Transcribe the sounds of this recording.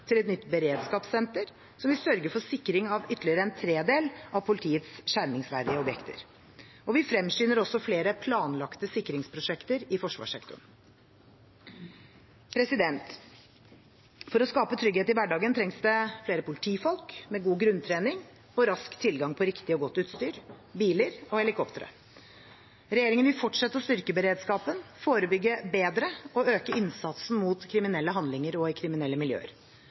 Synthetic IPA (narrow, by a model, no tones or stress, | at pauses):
t̪ʰɪlɛt̪nʏt̪ːbəɾeːd̪skɑːpsɛnt̪əɾ | sɔmʋɪsœɾɡəɾfɔsɪkːɾɪŋɑʋʏt̪ːəlɪəɾəɛnt̪ʰɾeːd̪eːlɑʋpʰʊlɪt̪ʰiːət̪sɕæɾmɪŋsʋæːɾd̪ɪəɔbjɛkt̪ʰə̰ɾ | ɔʋɪfɾɛmsyːnəɾɔsɔfleːɾəpʰlɑːnlɑkt̪əsɪkːɾɪŋspʰɾʊʂɛkt̪əɾɪfɔʂʋɑ̰ːʂɛkt̪ʊ̰ɳ | pʰɾɛsɪd̪ɛnt̪ | fɔɾɔskɑːpət̪ʰɾʏɡeːt̪ɪʋæɖɑːɡənt̪ʰɾɛŋsd̪ɛfleːɾəpʰʊlɪt̪ʰiːfɔlkmɛɡuːɡɾʉnt̪ʰɾeːnɪŋ | ɔɾɑskt̪ʰːɪlɡɑŋpʰɔɾɪkt̪ɪɔɡɔt̪ːʉːt̪st̪yːɾ | biːləɾɔɛlɪkʰɔpt̪əɾə̰ | ɾɛjeːɾɪŋənʋɪlfɔʈʂɛt̪ːəɔst̪ʏɾkəbəɾeːd̪skɑːpənfoːɾəbʏɡːəbeːd̪ɾəɔøːkəɪnsɑt̪sn̩muːt̪kʰɾɪmɪnɛlːəɦɑnd̪lɪŋəɾɔɪkʰɾɪmɪnɛlːəmɪljø̰ːə̰ɾ